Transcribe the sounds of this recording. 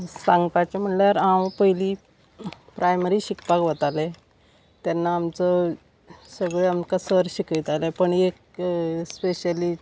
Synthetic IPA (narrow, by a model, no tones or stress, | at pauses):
sãŋɡpat͡ɕam̤əɳljaɾawpəɦili | pɾajməɾiːɕikpakʋət̪ale | t̪janːaːmt͡sə | səɡɭeamkasəɾɕikəjt̪alepəɳek | speɕəli